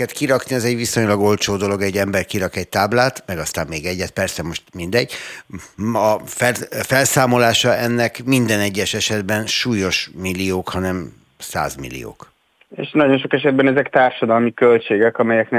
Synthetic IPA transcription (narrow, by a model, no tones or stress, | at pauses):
ɛt̪kiɾɒkniɛzɛɟʋiso̞ɲlɒɡo̞lt͡ʃoːd̪o̞lo̞ɡɛɟːɛmbɛrkiɾɒkɛɟ̚t̪aːblaːt̪mɛɡɒst̪aːmmeːɡɛɟːɛt̪̚pɛrsɛmo̞ʃt̪mind̪ɛɟ̚ | ɒfɛfɛlsaːmo̞laːʃɒɛnːɛkmind̪ɛnɛɟːɛʃɛʃɛd̪bɛnʃuːjo̞ʃmilːioːkhɒnɛm | sa̰ːzmḭlːḭo̰ːk | ḛːʃnɒɟo̞nʃokɛʃɛd̪̚bɛnɛzɛkt̪aːrʃɒd̪ɒlmikølt͡ʃeːɡɛkɒmɛjɛknɛ